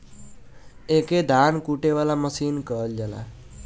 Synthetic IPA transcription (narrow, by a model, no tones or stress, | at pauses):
eked̪ʱankuʈeβalaməsinkəld͡ʒala̰